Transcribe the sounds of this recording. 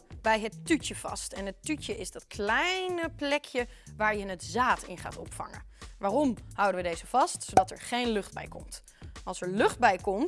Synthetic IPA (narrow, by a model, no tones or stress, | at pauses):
bɛjɦətytəv̥ɑ̰stɛnətytjəʔɪzdɑtkʰlɛjnəplɛkʰjəʋaːɹjəɪnətzaːtʰɪ̰nχa̰ːtɔpfɑ̰ŋə̰ʋaːrɔmhʌwdəʋədejzəv̥ɑstsowdɑtɛ̰ɹχejnlɵχd̚bɛ̰jkɔ̰mt | ɑlˠsɛɹlɵχd̚bɛjkɔm